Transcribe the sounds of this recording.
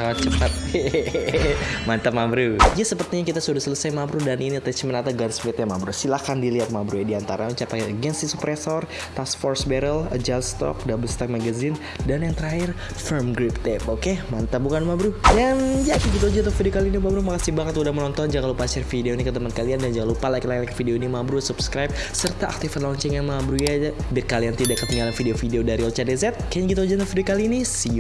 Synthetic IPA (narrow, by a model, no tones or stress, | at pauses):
saŋat̪̚t͡ʃəpat̪̚ | mant̪amabɾud͡ʒasəpərt̪iɲakit̪asudahsələsajmabɾudaniniat̪at͡ʃimənat̪aɡansbɛt̪jamabɾusilakandiliat̪̚mabɾujadiant̪aɾaut͡ʃapakɛəɡɛnsisupɾesɔr | t̪ask̚fɔrsbɛɾələd͡ʒalst̪ɔ̰k̚dabəlst̪ak̚maɡazɪn | danjaŋt̪əɾaɪr | fərmɡɾɪp̚t̪ɛpokemant̪abukanmabɾujand͡ʒakɛɡit̪od͡ʒant̪ɔfideokalinimabɾumakasibaŋət̪udahmənɔnt̪ɔnd͡ʒaŋalopat͡ʃɪrfideoinikət̪əmankaliandand͡ʒaŋalopalajklajlajkfideoinimabɾusupskɾajp̚ | sərt̪aʔa̰kt̪ifanlɔɲt͡ʃɛŋjanmabɾujabt̪̚kaliant̪idakːət̪iŋɡalanfideofideodaɾiot͡ʃadezɛt̪̚kaɲɡit̪od͡ʒanɔfideokaliːnisi